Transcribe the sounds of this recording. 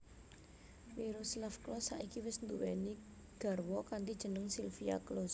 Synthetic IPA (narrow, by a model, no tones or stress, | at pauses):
miɾuslafklɔsaʔikiwɪsnd̪uwɛni | ɡ̥a̤rwɔkant̪id̥ʒ̥ə̤nəŋsilfia̰klɔs